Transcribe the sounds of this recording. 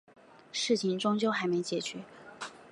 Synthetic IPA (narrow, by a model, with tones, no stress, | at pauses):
ʂɻ̩˥˩t͡ɕʰi˧˥ŋʈ͡ʂʊ˥ŋt͡ɕjo˥˧ʊxa˧˥ɪme˧˥ɪt͡ɕjɛ˨˩t͡ɕɥɛ˧˥